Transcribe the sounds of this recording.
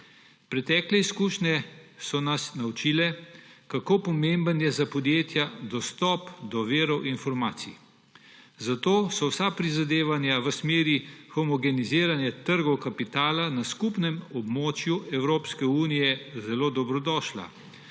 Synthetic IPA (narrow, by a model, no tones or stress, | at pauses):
pɾɛt̪ɛːklɛiskuːʃnʲɛsɔnasnawt͡ʃiːlɛkakoːpɔmembənjɛzapɔd̪jeːt̪jad̪ɔst̪ɔpd̪ɔʋeːɾɔwʔinfɔɾmaːt̪sḭ | zat̪oːsɔwsapɾizad̪eːʋanjaʋəsmeːɾixɔmɔɡɛniziːɾanjɛt̪əɾɡɔwkapit̪aːlanaskupnɛmɔbmoːt͡ʃjuɛwɾoːpskɛuːnijɛzɛloːd̪ɔbɾɔd̪ɔːʃla̰